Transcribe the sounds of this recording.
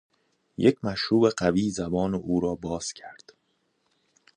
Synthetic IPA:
jecʰmæʃɾuːbe̞ɢæviːzæbɒːneʔuːɾɒːbɒːz̥cʰæɾd̪̥

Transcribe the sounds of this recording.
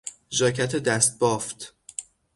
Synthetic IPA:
zɒːcʰæt̪ʰed̪æst̪̚bɒːft̪

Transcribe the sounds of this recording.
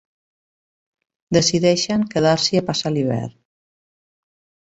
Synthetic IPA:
d̪əsiðɛʃəŋkəðaɾsiapasaliβ̞ɛ̰ɾ

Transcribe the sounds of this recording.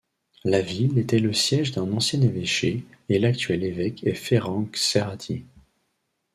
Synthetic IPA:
lavilet̪ɛləsjɛʒd̪ɛ̃nɑ̃sjɛ̃neveʃe | elak̚t̪ɥɛlevɛkʰɛfeʁɑ̃kseʁat̪ʰjḛ

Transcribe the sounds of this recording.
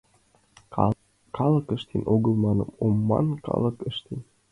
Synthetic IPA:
kɑlɤkəʃt̪enʔoɣəlˠmɑnəmomːɑ̰nkɑ̰lˠɤkəʃt̪en

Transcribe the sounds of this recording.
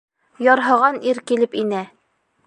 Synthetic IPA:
jɒɾɦɤ̆ʁɑniɾkilɘpinæ

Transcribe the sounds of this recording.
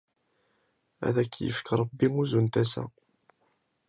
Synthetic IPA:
æ̰ðækːjə̰fə̥kɾˤɑbːiŋuzunt̪æsæ̰

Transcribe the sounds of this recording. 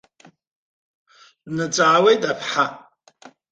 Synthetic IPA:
nɨt͡sʼaʕːwejtʼapʰħa

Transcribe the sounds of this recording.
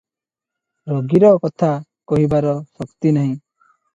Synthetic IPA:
ɾoɡiɾɔkɔt̪ʰa | kɔɦibaɾɔsɔkt̪inɔɦĩ

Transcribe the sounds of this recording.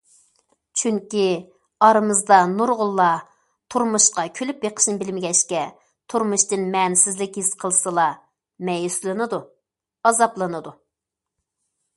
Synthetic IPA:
t͡ʃʰyŋkʲi | ɑɾɨmɨzd̪ɑnuɾʁʊlˠːɑ | t̪ʰuɾmuʃqɑkʲʰølypjeqʰə̥ʃnɨbɪlmɪɡʲɛʃkʲɛ | t̪ʰuɾmuʃt̪ɨnmɛnsɪzlɪkʲhisqʰəlˠsɨlˠɑ | mɛjyslˠɨnɨd̪u | ɑzɑplˠɨnɨd̪u

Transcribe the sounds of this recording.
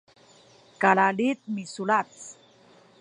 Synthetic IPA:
kalalit̪̚misulat͡s

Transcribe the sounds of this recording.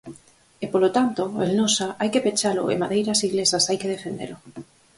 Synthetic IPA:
epolot̪ant̪oḛlnosaʔajkepet͡ʃalʊ̰ḛmaðejɾasiɣlesasajkeð̞efend̪ḛlʊ

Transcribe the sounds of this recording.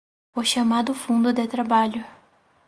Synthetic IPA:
ʊʃamad̪ʊfũnd̪ʊd̪et̪ɾabaʎʊ

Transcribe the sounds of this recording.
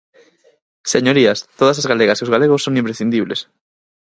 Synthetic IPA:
seɲoɾiast̪oð̞ɐsazɣaleɣasiozɣaleɣosːoŋĩmpɾesθind̪iβles

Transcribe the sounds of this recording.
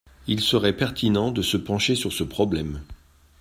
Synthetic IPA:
ilsəʁɛpɛʁt̪inɑ̃d̪əsəpɑ̃ʃesyʁsəpχɔblɛm

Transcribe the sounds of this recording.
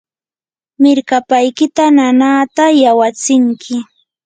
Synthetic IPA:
mɪɾkapajkɪt̪ananaːt̪ajawat͡sɪŋkʰɪ

